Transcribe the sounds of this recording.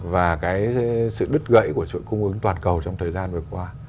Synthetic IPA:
vaː˨˩kaː˨˦jsɨ̰˧˨ɗɨ˦˥t̚ɣə̰˧˨jku˧˩ət͡ɕṵ˧˨jkʊ˧ŋ͡mʔɨ˨˦ŋt̪waː˨˩nkə˨˩wt͡ɕɔ˧ŋ͡mt̪ʰəː˨˩jzaː˧nvɨ˨˩əkwaː˧

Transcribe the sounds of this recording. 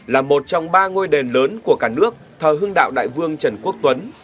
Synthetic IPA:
laː˨˩mo˨˩t̚t͡ɕɔ˧wŋ͡mɓaː˧ŋo˧jɗe˨˩nləː˨˦nku˧˩əkaː˧˩nɨ˦˥ək̚t̪ʰəː˨˩ɦɨ˧əŋɗa̰ː˧˨wɗa̰ː˧˨jvɨ˧əŋt͡ɕə˧˩nku˦˥ək̚t̪wə˨˦n

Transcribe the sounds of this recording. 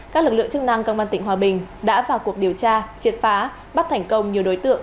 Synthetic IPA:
kaː˦˥k̚lɨ˨˩k̚lɨ̰˧˨əŋt͡ɕɨ˦˥k̚na˧ŋkə˧wʔaː˧nt̪ï˧˩ŋ̟waː˨˩ɓï˨˩ŋ̟ɗa̰ː˧˥vaː˨˩wku˨˩ək̚ɗi˨˩əwt͡ɕaː˧t͡ɕi˨˩ət̚faː˨˦ | ɓa˦˥t̪ʰɛ˨˩jŋ̟kə˧wŋ͡mɲi˨˩əwɗo˨˦jt̪ɨ̰˧˨əŋ

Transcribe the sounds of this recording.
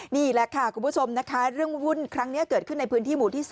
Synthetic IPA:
niː˥˩lɛ˨˩kʰa˥˩kʰu˧mpʰːt͡ɕʰo˧mna˦˥kʰa˦˥ɾɯ˥˩əŋwu˥˩nkʰɾa˦˥ŋni˦˥ɐkɤː˨˩t̪̚kʰɯ˥˩na˧jpʰɯ˦˥nt̪ʰiː˥˩muː˨˩t̪ʰiː˥˩s

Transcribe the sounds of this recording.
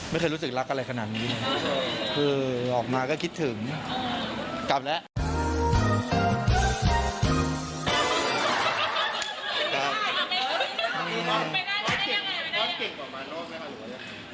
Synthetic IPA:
ma˥˩jxɤː˧ɾu˦˥s̬ɯ˨˩k̚la˦˥k̚ʔa˧ɾa˧jkʰa˧naː˨˩t̪̚niː˦˥laː˧˩a˥˧kʰɯː˧ʔɔː˨˩k̚maː˧kɔː˥˩kʰi˦˥t̪ʰːɯ˩˦ŋ | ka˨˩p̚lɛ˦˥ʔ | ka˧˩ | ʔɯː˧pɔ˦˥t̚ki˨˩ŋɔ˦˥t̚ke˨˩ŋɔː˨˩maː˧ɔː˥˩k̚ma˥a˧˨˩a˧˩

